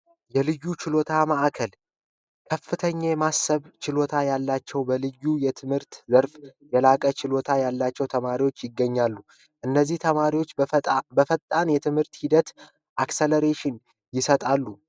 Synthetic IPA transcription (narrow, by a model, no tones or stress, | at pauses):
jɛlɨjːut͡ʃɪlo̞t̪ʰamaʔakʰəl | kʰəfːɨt̪ʰəɲːamasəβt͡ʃɪlo̞t̪ʰajalːat͡ʃːɛwbəlɨjːujɛt̪ʰɨmhɨɾt̪zəɾfjɛlakʼət͡ʃɪlo̞t̪ʰajalːat͡ʃːɛwt̪ʰəmaɾiwo̞t͡ʃːjɪɡːəɲːalːu | ʔɨnːəzːiht̪ʰəmaɾiwo̞t͡ʃːbəfət̪ʼːanjɛt̪ʰɨmhɨɾt̪hid̪ət̪ | ʔakseləɾeʃɪn | jɪsət̪ʼalːu